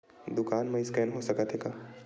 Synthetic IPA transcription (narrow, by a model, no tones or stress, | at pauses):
d̪ʊkaːnmɐ̃ɪskɛːnɦosɐkət̪ɦekaː